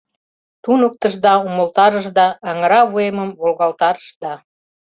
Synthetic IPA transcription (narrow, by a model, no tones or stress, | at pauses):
t̪unək̚t̪əʒd̪ɑuməlt̪ɑɾəʒd̪ɑːŋəɾɑβueməmβolɣɑlt̪ɑɾəʃd̪ɑ